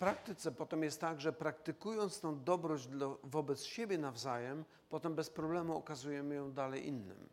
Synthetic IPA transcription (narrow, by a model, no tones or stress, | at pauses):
pɾak̚t̪ɘt̪sɛpɔt̪ɛmjɛst̪ːaɡʐɛpɾak̚t̪ɘkujɔnt̪st̪ɔ̃w̃d̪ɔbɾɔd͡ʑd̪lɔvɔbɛt̪sɕebʲjɛnavzajɛm | pɔt̪ɛmbɛspɾɔblɛmuɔ̰kazujɛmɘjɔ̃w̃d̪alɛjʔinːɘ̰m